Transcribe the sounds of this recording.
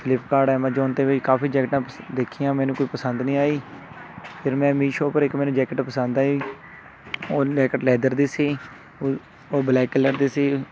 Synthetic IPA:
pʰɪlɪpkaːɖɛːmãːd͡ʒoːnt̪eːʋɪt͡ʃkaːfiːd͡ʒɛːkʈãːd̪eːkʰijãːmɛːnũːkoːiːpəsənd̪nĩːaːiː | pʰɪɾmɛ̃ːmiːʃoːpəɾɪkmɛːnũːd͡ʒɛːkəʈpəsə̃nd̪aːɦiː | oːd͡ʒɛːkəʈlɛːd̪əɾd̪eːsiː | oːblɛːkɪləɾd̪eːsiː

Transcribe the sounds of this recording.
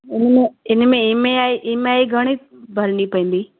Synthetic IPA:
ʊnmẽɪnmẽɪɦmẽaːeʔɪmẽaːeɡʱɐɽ̃i | bʱɐɾnipɐĩːn̆d̪iː

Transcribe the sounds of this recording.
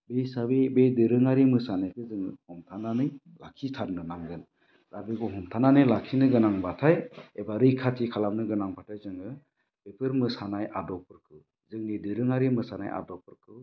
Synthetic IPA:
besabebejdɯɾɯŋaɾimɯsanajkʰɯzɯŋhɔmtʰananɯj | lakʰitʰaɾnɯnaŋɡɯn | zabekʰɔɦɔmt̪ʰananɯjlakʰinɯɡɯnaŋbatʰajebaɾɯjkʰatʰikʰalamnɯɡɯnaŋpʰatʰajzɯŋɯ | b̥epʰɯɾmɯsanajʔadɔpʰɯɾkʰɯw | zɯŋnidɯɾɯŋaɾimɯsana̰jʔa̰dɔpʰɯɾkʰɯw

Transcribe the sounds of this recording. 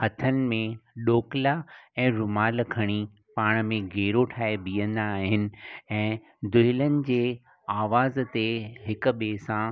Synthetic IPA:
hɐt̪ʰənɪ̆mẽɗoːklaɛ̃ːɾʊmaːlkʰɐɽ̃i | paːɽ̃mẽɡʱeːɾoʈʰaːebiːə̃nd̪aːɦɪnɪ̆ɛ̃ː | d̪ʊɦɪlənɪ̆d͡ʑeː | aːʋaːzt̪eɦɪk̆ɓeːsã

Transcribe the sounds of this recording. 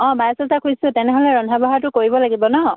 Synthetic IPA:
ɔ̃majsɔtakʰujsʊ̃tɛnɛɦolɛɹɔndʱabɔɦatʊkoɹibɔlaɡibɔnɔ

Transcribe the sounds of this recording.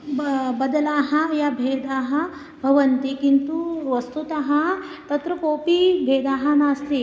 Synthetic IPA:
bbɐd̪ɐlaːɦɐjaːbʱeːd̪aːɦɐ̆ | bʱɐʋɐnt̪ikint̪uʋɐst̪ut̪ɐɦɐ̆t̪ɐt̪ɾɐkoːpibʱeːd̪aːɦɐnaːst̪i

